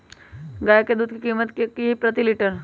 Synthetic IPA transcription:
ɡaːjked̪uːd̪̚kikiːmət̪kipɾət̪iliʈəɾ

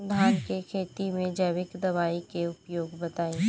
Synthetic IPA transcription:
d̪ʱaːɾkekʰeːt̪imẽd͡ʒɐʋɪkd̪ɐʋaːikeʊpjoːɡbɐt̪aːĩː

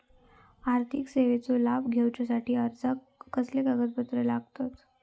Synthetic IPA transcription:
aɾt̪ʰikseʋet͡solabɡʱewt͡ɕasaʈiːəɾt̪ʰəː | əslekəɡət̪̚bət̪ɾəlaɡt̪ot̪

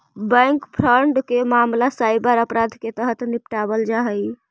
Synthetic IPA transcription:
bə̃ŋkpʰɾəɳɖkemamlasajbəɾəpɾad̪ʱket̪əɦət̪nipʈabəld͡ʒaɦəj

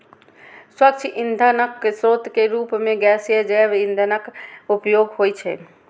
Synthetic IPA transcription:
swək̚t͡ʃʰʔind̪ʱənəksɾoːt̪keɾuːpmẽɡɛːsjəd͡ʒɛːbĩnd̪ʱənəkupjoːɡɦoːjt͡ʃʰɛ̰

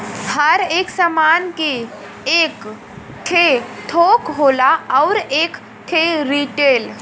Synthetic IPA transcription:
həɾeːksəmanke | ek | ʈʰet̪ʰoːkɦoːlaəwɾeːk | ʈʰeɾiʈeːl

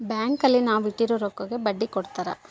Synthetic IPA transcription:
bjaːŋkɐlːinaːʋiʈːiɾoːɾɔkːɐɡebɐɖːikɔɽt̪aːɾa̰

